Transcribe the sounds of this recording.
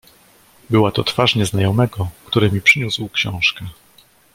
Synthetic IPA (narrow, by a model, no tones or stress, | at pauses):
bɘwat̪ɔt̪faʂɲɛznajɔmɛɡɔkt̪uɾɛmʲipʂɘɲuswkɕɔ̃w̃ʂkɛ